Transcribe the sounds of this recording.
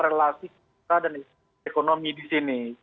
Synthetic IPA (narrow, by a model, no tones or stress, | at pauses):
ɾelasik | adane | ekonomidisini